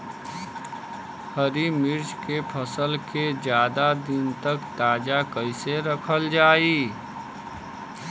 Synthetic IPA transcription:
həɾimɪɾd͡ʒkepʰəsəlked͡ʒjaːd̪ad̪ɪnt̪əkt̪aːd͡ʒakəɪseɾəkʰəld͡ʒaːiː

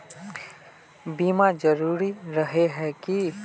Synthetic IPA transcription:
bimad͡ʒəɾuːɾiɾəɦeɦɛki

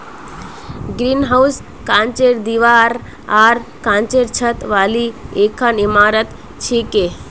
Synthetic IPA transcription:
ɡɾinɦaws | kãːnt͡ʃeɾd̪iʋaːɾ | aːɾkãːnt͡ʃeɾt͡ʃʰət̪ʋaːlieːkʰanimaːɾət̪ | t͡ʃʰeke

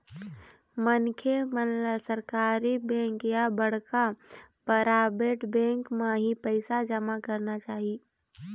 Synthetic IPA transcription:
mənkʰemənlasəɾkaːɾibɛ̃ːŋkjabɐɽ̤kapəɾaːbeːʈbɛ̃ːŋkmãɦipɛɪsad͡ʒəmakɐɾnat͡ʃaːɦie

